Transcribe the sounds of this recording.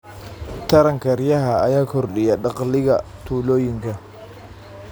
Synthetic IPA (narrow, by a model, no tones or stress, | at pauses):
t̪ʰɐɾɐŋkʰɐrjɐɦɐːjaːkʰɔrɗɪjɐɖɑqlɪɣɐ̰t̪ʰuːlɔːjɪŋkʰɐ